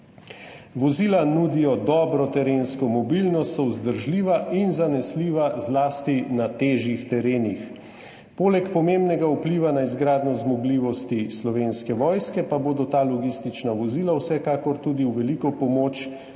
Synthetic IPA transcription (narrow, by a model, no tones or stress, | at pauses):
ʋɔziːlanuːd̪ijɔd̪ɔbɾɔt̪ɛɾenskɔmɔbilnɔst̪ɔwzd̪əɾʒliːʋaʔinzanɛsliːʋazlaːst̪inat̪eːʒjixt̪ɛɾeːnix | poːlɛkpɔmembnɛɡaupliːʋanaizɡɾaːd̪nɔzmɔɡliʋɔst̪islɔʋeːnskɛʋɔːjskɛpaboːd̪ɔt̪aːlɔɡist̪it͡ʃnaʋɔziːlawsɛkaːkɔɾt̪ud̪iwʋɛlikɔpɔmoːt͡ʃ